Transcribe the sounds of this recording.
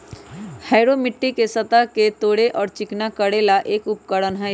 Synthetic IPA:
hɛːɾomɪʈːikesɐt̪aket̪oːɽeʔɔːɾt͡ʃɪknakəɽeːlaʔeːkʊp̚kəɽənɦɛ

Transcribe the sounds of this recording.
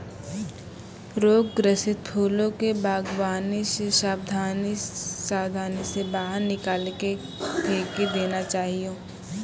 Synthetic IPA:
ɾoːɡɡɾəsɪt̪̚pʰuːlõkebaːɡwaːniʃʃaːbd̪ʱaːniʃaːbd̪ʱaːnisebaːɦəɾnɪkaːlke | p̪ʰeːked̪eːnat͡ʃaːɦioː

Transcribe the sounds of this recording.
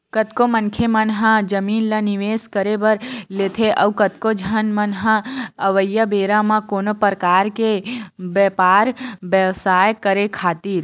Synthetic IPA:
kət̪komənkʰemənɦãd͡ʒəmiːnlaniʋeːskəɾebəɾleːt̪ʰeʔəwkət̪kod͡ʒʱənmənɦãəʋəjːəbeːɾamãkoːnopɾəkaːɾkebɛpaːɾbəʋsaːjkəɾekʰaːt̪iːɾ

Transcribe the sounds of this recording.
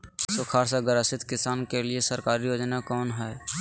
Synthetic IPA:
sʊkʰaːɾsaɡəɾəsɪt̪kɪsaːnkeliesəɾkaːɾijoːd͡ʒnakɔːnɦɛː

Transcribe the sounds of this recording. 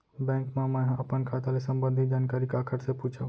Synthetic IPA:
bɛ̃ːŋkmẽmə̃ɦəpənkʰat̪alesəmbənd̪ʱid͡ʒaːnkaːɾikakʰəɾseput͡ʃʰə

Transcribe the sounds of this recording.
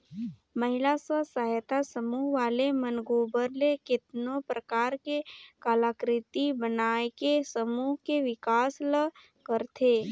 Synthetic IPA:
məɦɪlasə̃səɦjt̪asəmuːɦʋaːlemənɡoːbəɾlekɪt̪nõpɾəkaːɾkekaːlaːkɾɪt̪ibənaːekesəmuːɦkeʋɪkaːslə | kəɾt̪ʰeː

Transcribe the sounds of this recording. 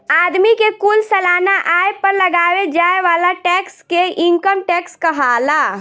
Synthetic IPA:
ad̪mikekulsəlaːnaʔajpəɾləɡaʋed͡ʒaeʋalaʈɛkskeʔiŋkəmʈɛkskəɦala

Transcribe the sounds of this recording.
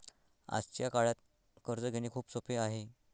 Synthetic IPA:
a̰st͡ɕjakaɭjat̪̚ | kəɾd͡zəɡʱeñiːkʰuːpsopeaɦe

